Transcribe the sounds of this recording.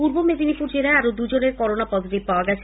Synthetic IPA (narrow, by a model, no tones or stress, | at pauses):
puɾbomed̪ʱinipuɾd͡ʑeɾaeaɾod̪ud͡ʑoneɾkɔɾonapɔd̪ʱot̪ippaoaɡɛt͡ɕʰ